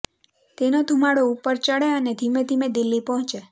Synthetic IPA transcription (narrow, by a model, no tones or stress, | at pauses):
t̪enod̪ʱumaɽoupːəɾt͡ʃəɽeəned̪ʱimed̪ʱimed̪ilːipɔɦɔ̃t͡ʃe